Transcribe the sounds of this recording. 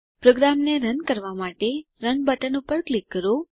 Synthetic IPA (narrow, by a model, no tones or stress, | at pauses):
pɾoɡɾamneɾənkəɾʋamaʈe | ɾənbəʈənupəɾklikːəɾo